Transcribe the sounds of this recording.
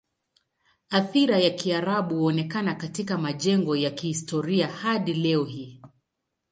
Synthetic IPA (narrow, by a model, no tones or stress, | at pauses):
aθiɾajakiaɾaɓuhɔnɛkanakatikamaʄɛŋɡɔjakihistɔɾiahaɗilɛɔhiː